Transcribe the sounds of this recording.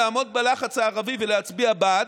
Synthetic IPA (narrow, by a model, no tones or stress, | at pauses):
amod̪̚belaχat͡shaːʁavivəleat͡sbiabad̪